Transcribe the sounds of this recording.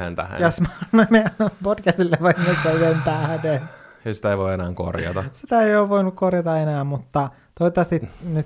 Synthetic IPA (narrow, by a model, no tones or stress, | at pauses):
hḛnt̪æ̰hjosmɑnomepodkæst̪ilːeʋɑmːest̪æyhent̪æhden | eisi̥t̪æeiʋoienæːŋko̰rjɑ̰t̪ɑsit̪æeioːʋʋoinukkorjɑt̪ɑenæːmmut̪ːɑ | t̪oit̪ːˑɑst̪inyt̪